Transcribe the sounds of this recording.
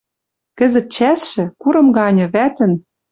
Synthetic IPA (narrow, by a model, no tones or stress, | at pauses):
kɘ̆zə̆t̪̚t͡ɕæsʃɘ̆kuɾɤ̆mɡɑnʲɤ̆βæt̪ɘ̆n